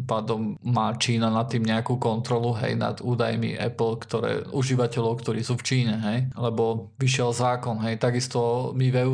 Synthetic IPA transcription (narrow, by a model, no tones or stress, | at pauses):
mpaːd̪ɔmːaːt͡ʃiːnanat̪ːiːmɲɛakuːkɔnt̪ɾɔluɦɛ̰jna̰d̪uːd̪ajmḭʔɛ̰pl̩kt̪ɔɾɛ̰ːuʒiʋacɛlɔʊkt̪ɔɾiːsuːft͡ʃiːɲɛɦɛjlɛbɔʋiʃɪɛlzaːkɔnɦɛjt̪aɡist̪ɔmiʋɛu